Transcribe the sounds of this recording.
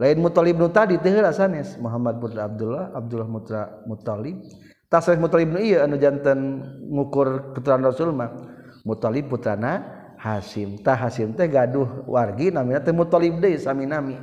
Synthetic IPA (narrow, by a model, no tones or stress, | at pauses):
lainmut̪ɔlɪp̚nut̪adit̪əɦəɾasanɛsmuɦamad̪̚put̪ɾaːb̚dulɔhab̚dulɔhmut̪ɾamut̪alɪb̚ | t̪asɾɛsmut̪alip̚nuijəanud͡ʒant̪ənŋukʊrkut̪uɾanrɔsulma | mut̪alɪp̚pːut̪ɾana | hasɪmt̪aɦasɪmt̪ɛhɡaduhwarɡinaminat̪ɛhmut̪ɔlip̚dəisaminami